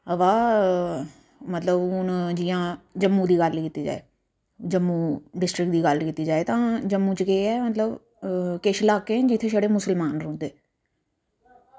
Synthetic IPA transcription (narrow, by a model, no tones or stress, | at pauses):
əʋaː | mət̪ləbʊnd͡ʒiːãːd͡ʒəmːũːd̪iːɡəlkiːt̪ːiːd͡ʒa̰ːḛː | d͡ʒəmːũːɖɪsʈɾɪkd̪iːɡəlkiːt̪ːiːd͡ʒaːeːt̪ãːd͡ʒəmːũːt͡ʃkeːɛːmət̪ləb | keʃlaːkẽːd͡ʒɪt̪ʰːeːʃəɽeːmʊsəlmaːnɾõːnd̪eː